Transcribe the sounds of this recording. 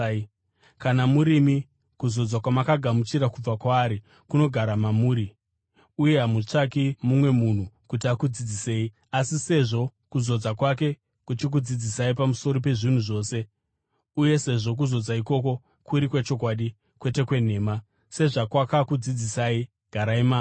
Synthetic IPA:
kanamuɾimi | kuzo̞d͡zakwamakaɡʱamut͡ʃiɾakub͡vakwaːɾi | kuno̞ɡʱaɾamamuːɾi | uje̞ɦamut͡ʂakimumwe̞mun̤ukutiakud͡zid͡zise̞ːi | asise̞ʐo̞kuzo̞d͡zakwak̬e̞ | kut͡ʃik̬ud͡zid͡zisaipamuso̞ɾop̬e̞ʐin̤uʐo̞ːse̞ | uje̞se̞ʐo̞k̬uzo̞d͡zaiko̞ko̞ | kuɾikwet͡ʃo̞kwaɗi | kwe̞te̞kwe̞n̤e̞ːma | se̞ʐakwakakud͡zid͡zisaːi | ɡ̥ʱaɾaimaː

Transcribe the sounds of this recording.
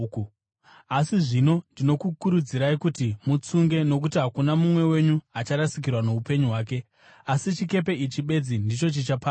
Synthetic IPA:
asiʐino̞ndino̞kukuɾud͡ziɾaikutimut͡suŋɡe̞no̞k̬utiɦakunamumwe̞we̞ɲuat͡ʃaɾasikirwano̞upe̞ɲuɦwaːk̬e̞ | asit͡ʃike̞p̬e̞it͡ʃiɓe̞d͡zindit͡ʃo̞t͡ʃit͡ʃapa

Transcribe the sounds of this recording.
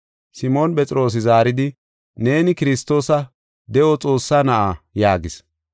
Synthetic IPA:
sɪmoːnɓɛt͡sʼɪɾo̞ːs̬ɪzaːɾɪd̪ɪ | ne̞ːnɪkɪɾɪst̪ːo̞ːsɐ | d̪ɛʔɔt͡sʼo̞ːsːaːnɐʔajaːɡɪs

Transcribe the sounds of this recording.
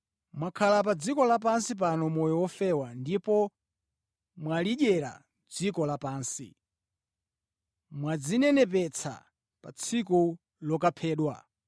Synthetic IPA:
mwakʰalapad͡zikɔlap̬ansip̬anɔmɔjɔwɔfɛwandipɔ | mwaliʄɛɾa̰ | d͡zikɔlapaːnsḭ | mwad͡zinɛnɛp̬ɛt͡sʰa̰ | pa̰t͡sʰiku | lɔkapʰɛːɗwa̰

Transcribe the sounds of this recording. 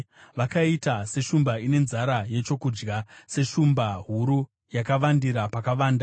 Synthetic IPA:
ʋakaitase̞ʃumbaine̞nzaɾaje̞t͡ʃo̞kud͡ʒɡase̞ʃumbaɦuɾu | jakaʋandiɾapakaʋaːnda

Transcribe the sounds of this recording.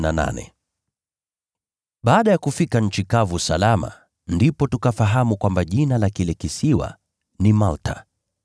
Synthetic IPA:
nana̰nɛ̰ | ɓaːɗajakufikaɲ̩t͡ʃikavusalama̰ | ndipɔtukafaɦamukwambaʄinalakilɛkisiwa̰ | nimaltʰa̰

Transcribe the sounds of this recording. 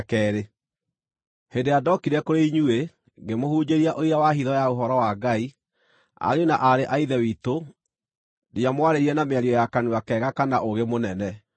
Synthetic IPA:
kɛːɾe | hedejadɔkiɾɛkoɾeiɲue | ɡemohuːd͡ʑeɾiaʔoiɾawaɦiðɔjaoɦɔɾɔwaɡai | a̰ɾeonaʔaɾeʔaiðɛwito | dijamwaɾeɾiɾɛnameaɾiɔjakanuakɛɣakanaʔoɣemonɛnɛ

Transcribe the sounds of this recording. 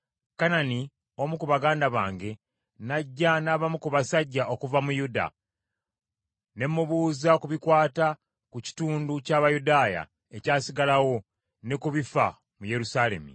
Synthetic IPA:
kanani | o̞mukuβaɡaːndaβa̰ːŋɡe̞ | naɟːanaːβamukuβasaɟːaʔo̞kuvamujuda̰ | ne̞mːuβuːzakuβikwaːta | kuci̥tuːnducaːβajudaːja̰ | e̞caːsiɡalawo̞ | nekuβifa̰ | muje̞ɾusaːle̞̰mḭ

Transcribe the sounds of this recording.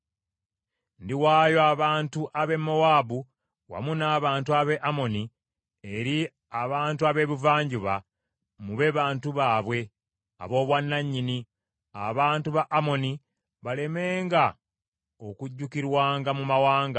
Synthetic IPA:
ndiwaːjo̞aβaːntuʔaβe̞mːowaːbu | wa̰munaːβaːntuaβe̞ʔamo̞ni | e̞ɾi | aβaːntuaβe̞ːβuvaːɲɟuβa | muβe̞βaːntuβaːβwe̞ | a̰βo̞ːβwanːaɲːini | a̰βaːntuβaʔːmo̞ni | βale̞me̞ːŋɡa | o̞kuɟːukiɾwaːŋɡamumawaːŋɡa

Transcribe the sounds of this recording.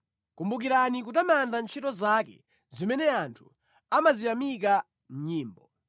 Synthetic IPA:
kumbukiɾanik̬utamandant͡ʃʰitɔzakɛ̰ | zimɛnɛantʰu | amazijamik̬a | m̩ɲiːmbɔ

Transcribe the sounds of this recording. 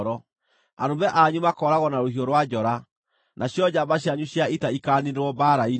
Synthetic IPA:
ɾɔ | aɾobɛʔaɲumakɔɾaɣɔnaɾohioɾwad͡ʑɔɾa | naɕjɔd͡ʑabaɕ̬jaɲuɕjaitaikaːniɾeɾwɔbaɾai

